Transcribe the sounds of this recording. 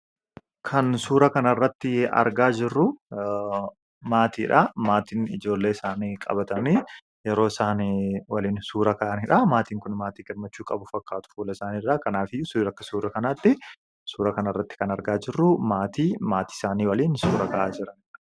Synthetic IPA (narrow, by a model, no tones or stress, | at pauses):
kʰɐnsuːɾɐkɐnɐrːɐt̪ːɪɐ̰ɾɡaːd͡ʒɪrːʊ | maːt̪iːᶑaːmaːt̪iːnɪd͡ʒo̞ːlːe̞ːɪsaːniːkʼɐ̰bɐt̪ɐniː | jɛɾo̞ːɪsaːniwɐliːnsuːɾɐkaːʔɐniːᶑaːmaːt̪iːŋkʊnmaːt̪iːɡɛɾmɐt͡ʃːuːkʼɐbʊfɐkːaːt̪ʊ̥fuːlɐɪsaːniːrːaːkɐnaːfɪsɾɐkːɐsuːɾɐkɐnaːt̪ːɪ | suːɾɐkɐnɐrːɐt̪ːɪ̥kɐnɐɾɡaːd͡ʒɪrːʊmaːt̪iːmaːt̪i̥ːɪsaːniːwɐliːnsuːɾɐkaːʔaːd͡ʒɪɾɐn